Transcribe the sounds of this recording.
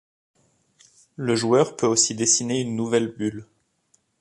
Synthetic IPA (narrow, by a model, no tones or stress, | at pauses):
ləʒuœʁpøosid̪esineynːuvɛlbyl